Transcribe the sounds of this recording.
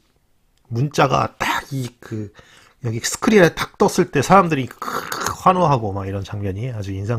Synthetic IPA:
munt͡ɕ͈aɡa̰taikɯ | jʌɡisʰɯ̥kʰɯɾiɾetḁk̚t͈ʌs͈ɯɭt͈e̞sʰaɾamdɯɾikkɸwanoɦaɡomaiɾʌnt͡ɕaŋmjʌɲiad͡ʑuinsʰa

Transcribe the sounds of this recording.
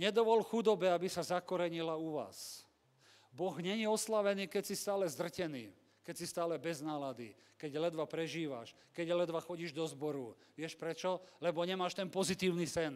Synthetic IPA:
ɲɛd̪ɔʋɔlxud̪ɔbɛabisazakɔɾɛɲilauʋa̰ːs | bɔɣɲɛɲɛɔslaʋɛniːkɛcsist̪aːlɛzd̪r̩cɛniː | kɛcsist̪aːlɛbɛznaːlad̪ḭ | kɛɟlɛd̪ʋapɾɛʒiːʋa̰ʃ | kɛɟlɛd̪ʋaxɔɟiːʒd̪ɔzbɔɾu | ʋɪɛʃpɾɛt͡ʃɔlɛbɔɲɛmaːʃt̪ɛnpɔzit̪iːʊnisɛn

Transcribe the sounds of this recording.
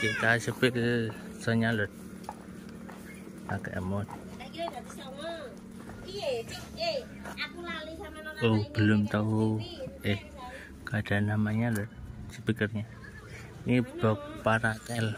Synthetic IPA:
kit̪asəpɪl | sɔɲalɔt̪̚ | a̰kɛ̰ʔmɔt̪̚ | akulali | ob̥əlʊmt̪ɔueh | kaɖ̥a̤namaɲalɔt̪̚səpikərɲa | nib̥ɔ̤k̚paɾak̪ɛl

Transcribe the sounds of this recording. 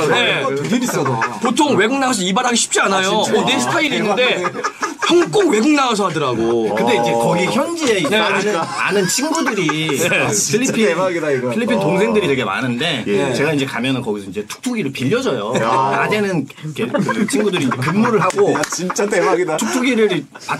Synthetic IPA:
neiis͈ʌdopotʰoŋwe̞ɡuŋnaŋas̬ʰʌibaɾɦaɡeiɕʰi̥p̚t͡ɕ͈ianajoonesʰɯ̥tʰaiɾiːnːɯnde̞çʰjʌŋk͈oŋwe̞ɡoŋnaŋasʰʌɦadɯɾaɡokɯnde̞ind͡ʑe̞kʌɡiçjʌnd͡ʑie̞inea̰nɯnt͡ɕʰinɡudɯɾieiʎːipʰiɡidaiʎːipʰintoŋsʰe̞ŋdɯɾitweɡema̰nɯnde̞t͡ɕe̞ɡaind͡ʑe̞kamjʌnɯnkʌɡisʰʌind͡ʑe̞tʰu̥k̚tʰuɡiɾɯɭpiʎːʌd͡ʑʌjokadenɯnkʰeɯt͡ɕʰinɡudɯɾiːind͡ʑekɯmːuɾɯɭɦaɡot͡ɕit͡ɕ͈tadtʰuk̚tʰuɡiɾɯɾ | pa

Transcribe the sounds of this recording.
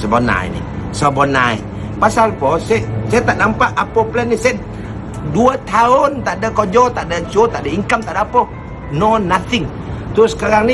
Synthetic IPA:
səbona̰ḭnɪ̰hsəbɔna̰ḭ | pasalpɔsɛsat̪aʔnampaʔapoplɛnːisɛ | duat̪ʰaʊnt̪aʔdəkod͡ʒɔt̪aʔdət͡ʃot̪aʔdəiŋkamt̪aʔdaapo | nonat̪ʰɪŋ | t̪ʊsə̥kaɾaŋni

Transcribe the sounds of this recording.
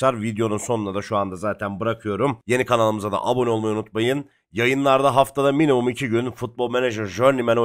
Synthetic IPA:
aɾvid̪jo̞nunso̞nunad̪aʃuand̪azaːt̪ʰænbɯɾakʰɯjo̞ɾumje̞nikʰanalˠɯmɯzad̪a̰ʔabo̞nio̞lˠmajunut̪majɯn | jajɯnlˠaɾd̪aɦaft̪ʰad̪aminimumicʰiɟynfut̪̚bolˠmeneʒɛɾʒøɾnimɛno

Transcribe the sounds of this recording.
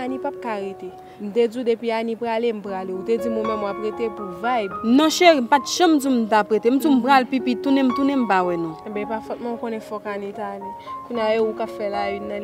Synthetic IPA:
anĩpap̚kaɣet̪e | m̩ted͡zudepianĩpɣalem̩pɣaleuted͡zimõmɛ̃mwapɣetepuvajbnɔ̃ʃem̩patʒ̥ãm̩d͡zum̩tapɣetem̩d͡zum̩pɣalpipitːunɛ̃m̩t̪unɛm̩pawɛnũɛbɛ̃pafɛt̚mɐ̃ũkõnɛ̃fɔkanĩtanikũɲjajoukapfɛlainːã

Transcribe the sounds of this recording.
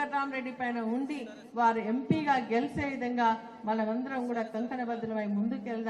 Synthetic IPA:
ɐɾːaːmɾeɖipɐjɐnɐʊɳɖi | ʋaːɾɯɛmpiɣaːɡɛlseːðɐŋɡaː | mɐlɐʋɐnd̪ɯɾɐʊŋɡɯɽɐt̪ɐŋk̪ɐnɐbɐd̪ɯlɐmɐjmʊnd̪ɯkelð

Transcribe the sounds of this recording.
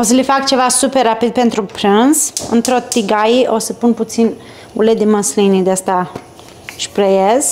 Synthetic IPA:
o̞səlifakt͡ʃe̞vasuperːapid̪̚pe̞nt̪ɾupɾɨnzɨ̰nt̪ɾot̪iɡajiʔo̞səpunput̪sin | ṵlet̪d̪imənslinid̪east̪a | ʃpɾejez

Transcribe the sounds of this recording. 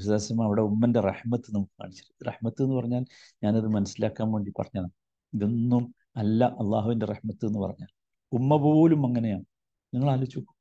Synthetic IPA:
isðeːsɐmaːɐʋiɽe̞umːɐnde̞reħmɐt̪ːɨnɐmukːɨka̰ːɳit͡ɕːɐ̥ɾreħmɐt̪ːenːupɐrɐɲːaːl | ɲaːnɐðɨmɐnɐsilaːkːaːmke̞ːɳɖipɐ̰rɐɲːɐna | iðinːum | ɐlːɐʔɐlˠːaːɦuʋindereħmɐt̪ːɨe̞nːupɐ̰rɐɲːaːl | umːɐpo̞oːlumɐŋːɐne̞jaːɳɨ | niŋːɐɭaːlit͡ɕːukːu

